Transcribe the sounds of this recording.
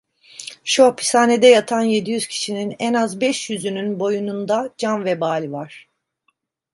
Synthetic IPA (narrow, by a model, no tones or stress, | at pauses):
ʃopʰi̥saːned̪ɛjat̪ʰanje̞d̪ijyz̥cʰi̥ʃininɛnazbɛʃjyzynynbo̞junund̪ad͡ʒanvɛbaːlʲivaɾ̥